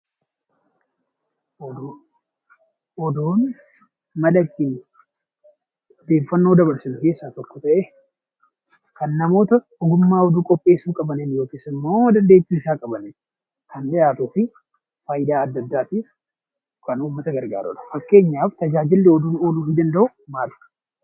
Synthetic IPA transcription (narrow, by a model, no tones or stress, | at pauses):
ɔd̪oːn | mɐlɐkːɪn | d̪e̞ːfːɐnːo̞ːd̪ɐbɐɾsɪnʊke̞ːsːaːt̪ɔkːɔ̥t̪ɐʔɛ | kɐnːɐmo̞ːt̪ɐ | ɔɡʊmːaːhɔd̪uːkʼɔpʼːe̞ːsːuːkʼɐbɐnenjo̞ːkɪsɪmːoːd̪ɐnd̪eːt͡ʃːiːsaːkʼɐbɐne | kɐndɛjaːt̪uːfɪ | faːjɪd̪aːɐd̪ːɐd̪ːaːt̪iːf | kɐnuːmːɐt̪ɐɡɐɾɡa̰ːɾʊ̰ᶑɐ̥fɐkːe̞ːɲːaːft̪ɐd͡ʒaːd͡ʒɪlːɛɔd̪uːnoːluːfɪd̪ɐnd̪ɐʔʊ | maːl̥